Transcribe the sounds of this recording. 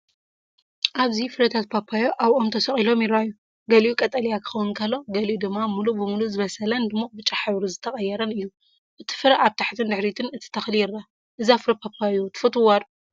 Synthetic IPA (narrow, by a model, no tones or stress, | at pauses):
ʔaβzifɨɾɐt̪ʰat̪̚pʰapʰajoʔaβʔomt̪ʰɐsɐχʼilo̞mjɪɾajːu | ɡɐlʔukʼɐt̪ʼɐlijakʰɨ̥xɐwɨnkʰɐlːo̞ɡɐliʔud̪ɨmːamulubɨmuluzɨβɐsɐlɐnd̪ɨmːobɨt͡ʃʼaħaβɾuzɨt̪ʰɐχʼɐjːɛɾɐnɨjːu | ʔɨt̪ʰi̥fɨɾɐʔaβt̪ʰaħt̪ʰɨnd̪ɨħɾit̪ʰɨnɨt̪ʰi̥t̪ʰɐxljɪrːa | ʔɨzafɨɾɐpʰapʰajjot̪ʰɨ̥fɨt̪ʰuwad̪